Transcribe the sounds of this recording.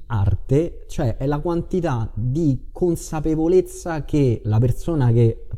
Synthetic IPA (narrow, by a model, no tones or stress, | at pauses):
a̰rt̪e | t͡ʃoɛʔɛlakwant̪it̪ad̪ikʰonsapevolet̪sːakelapersoːnake